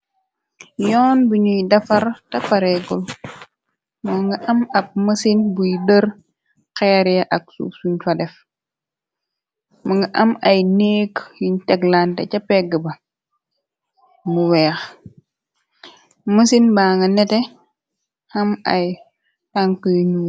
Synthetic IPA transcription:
jɔːnbuɲujdɐfɐɾtɐfɐɾɛɡul | mɔŋɡɐʔɐmɐp̚məsinbujdəɾ | kɛːɾjɐʔɐk̚sṵːpsuɲfɐdɛf | muŋɡɐʔɐmɐjneːkjiɲtɛɡlantɐ̰cɐpːɛɡəbɐ | muwɛːx | məsinbaːŋɡɐnɛtɛ | hɐmɐ̰j | taŋkəɲu

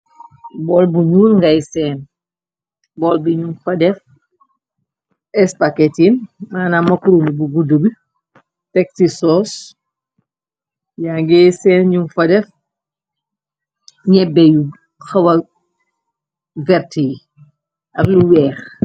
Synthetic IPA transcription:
bɔːlbuɲuːlŋɡɐjsɛːn | bɔlbiɲumfɐdɛf | ɛspakɛtinmaːnamɐkɾumibuɡudubi | tɛk̚tisɔːs | jaŋɡɛjsɛːnɲumfɐdɛf | ɲɛbɛju | xɐwɐ | vɛɾtij | ʔɐbluwɛːx

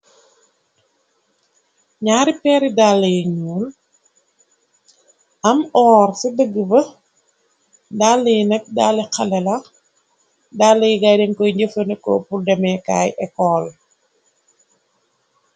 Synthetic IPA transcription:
ɲaːɾipɛːɾidalːəjiɲuːl | ɐmɔːrsidəɡːəbɐ | daːlːəjnɛk̚daːlikɐlɛlɐ | dalːəjiɡajdɛŋkɔjɲɟəfənəkɔ̰puldɛmɛka̰ːjʔɛkɔːl

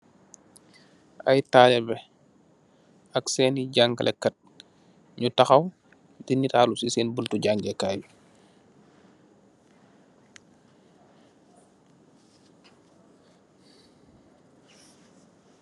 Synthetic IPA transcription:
ʔɐ̰jtaːlɛbɛ | ɐksɛːniɟaŋkɐlʔɛ̰kːɐt̚ | ɲutɐxɐw | dinitaːlusisɛːnbultuɟaŋɡɛkaːju

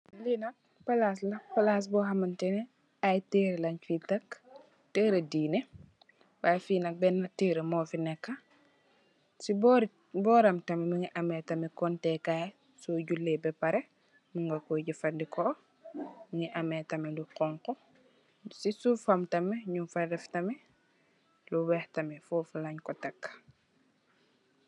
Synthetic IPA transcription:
linɐk̚ | pɐlas̬lɐpɐlas̬bɔɦɐmɐntɛnɛ | ajteːɾelɐɲfitɐk | teːɾɐdiːne | bajfiːnɐk̚bɛnːɐtiːɾemɔːfinɛkːɐ | sibɔɾ | bɔːɾɐmtɐmɛmiŋiʔɐmɛtɐmɛkɔntɛkaj | soːɟulːebɛpɐɾɛ | muŋɡɐkɔɟifɐndikʰɔ | miŋiʔamɛtɐmɛluqɔŋkɔ | sisufamtɐmɛɲumfadɛftɐmɛ | luwɛhtɐmɛfɔːfulaɲkɔtɐkː

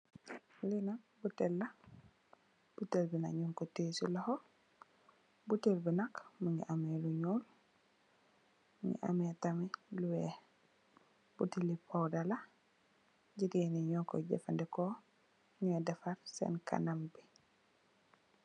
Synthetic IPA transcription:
linak̚ | butɛlːa | b̥utelbina̰kɲuŋkɔteːsulahɔ | butelbinakmuɲḭʔameluɲul | mɲḭʔa̰mɛtamɛluwɛ | butilipɔwdala | ɟiɡeniɲɔkɔ̰ɟɛ̰fandɛkɔ | ɲuɛdɛfaɾsɛ̰nka̰nambi

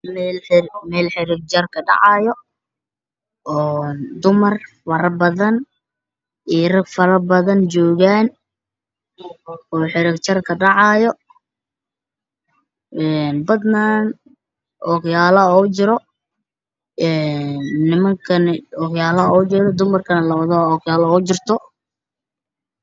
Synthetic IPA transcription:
mɛlmɛːlħɪɾɪɡ̚t͡ʃɐrkʰɐɖɑ̰ʕɑːjɔ | ɔːnd̪ʊmɐr | wɐɾɐbɐðɐn | ʔiːɾɐɡfɐɾɐbɐðɐnt͡ʃɔːɣaːn | ɔːħɪɾɪɡt͡ʃɐrkʰɐɖɑʕɑjɔ | ʔɛːnbɐd̪naːn | ʔɔkjaːlɐɔːt͡ʃɪɾɔ | ɛːnːɪmɐŋkʰɐnɪɔɣjaːlɐɔːt͡ʃɛɾɔd̪ʊmɐrkʰɐnɐlɐwɐðɔɔːɣjaːlɐɔːt͡ʃɪrt̪ʰɔ

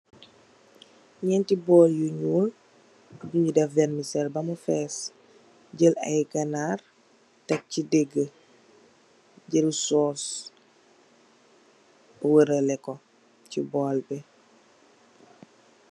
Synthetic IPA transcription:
ɲɛntibɔːljuɲuːl | ɟuɲudɛfvɛnmisɛlbɐmufɛːs | ɟəlɐ̰jkɐnaːr | tɐk̚cideɡːə | ɟəlsɔːs | wəɾəlɛko | cibɔːlpɛ

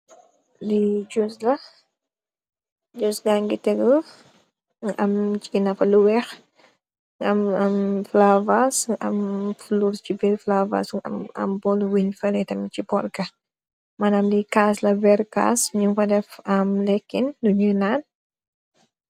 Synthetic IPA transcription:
lid͡ʒuslɐ | d͡ʒusɡaŋɡitɛɡɔ | ŋʔɐmt͡ʃinɐfɐluwɛx | ŋɐmɐmflavasɐmfluɾst͡ʃibɛɾflava̰sŋɐ̰mɐ̰mbɔlwinfɛlɛtɐmt͡ʃipɔrkɐ | manamlikaslɐbɛɾka̰ːsɲuŋfɐdɛfɐmlɛkːinduɲunan

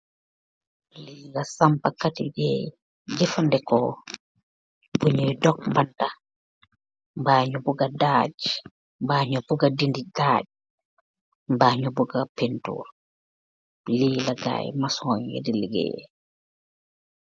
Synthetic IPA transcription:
liːlasampakatibɛ | d͡ʒifandɛkɔ | buɲɔjdɔk̚mbanta | mbaɲubuɡadaːd͡ʒ | mbaːɲubuɡadindidaːd͡ʒ | mbaːɲubuɡapentṵːɾ | liːlaɡa̰ːjmasɔɲjḛdiliɡɛ̰

